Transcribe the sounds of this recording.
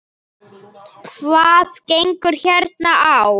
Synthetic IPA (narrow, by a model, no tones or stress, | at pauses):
kʰvaːðcejŋkʏɾ̥çɛɾt̪̚naaw